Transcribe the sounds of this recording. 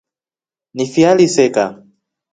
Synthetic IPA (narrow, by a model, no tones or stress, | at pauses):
nifialisɛka